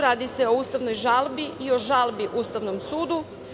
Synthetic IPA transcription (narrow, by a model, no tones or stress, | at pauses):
ɾaːd̪ise̞o̞uːst̪aʋno̞jʒalˠbiio̞ʒalˠbiʔuːst̪aʋno̞msuːd̪u